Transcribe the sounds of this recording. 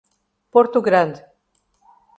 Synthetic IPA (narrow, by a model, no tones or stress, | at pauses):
poɾt̪uɡɾand̪